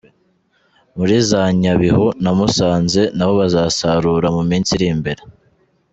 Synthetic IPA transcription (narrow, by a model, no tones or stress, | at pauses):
muɾizaɲaβihonamusaːnze̞naβo̞βazaːsaɾuːɾamumiːnsiɾiːmbe̞ɾe